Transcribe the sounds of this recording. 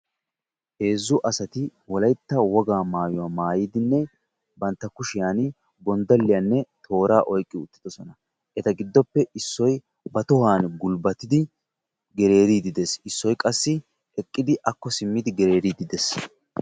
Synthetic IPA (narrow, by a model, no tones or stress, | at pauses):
he̞ːzːʊʔɐsɐt̪ɪwɔlɐjt̪ːɐwɔɡaːmaːjʊwamaːjiːd̪ɪnːɛ | bɐnt̪ːɐkʊʃɪjaːn | bɔnd̪ɐlːɪjaːnːɛt̪ʰo̞ːɾaːʔɔjkʼːɪʊt̪ːɪd̪̥ɔsɔnɐ | ʔɛt̪ɐɡɪd̪ːɔpːɛʔɪsːɔj | bɐt̪ɔhaːnɡʊlbɐt̪ɪd̪ɪ | ɡɛɾe̞ːɾid̪ɪd̪ɛsɪsːɔjkʼɐsːɪ | ɛkʼːɪd̪ɪʔɐkːɔsɪmːɪd̪ɪɡɛɾe̞ːɾiːd̪ɪd̪ɛs